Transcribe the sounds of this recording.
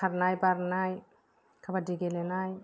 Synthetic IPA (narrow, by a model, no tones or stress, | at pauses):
aɾnajbaɾnaj | kʰabadiɡelɛnaj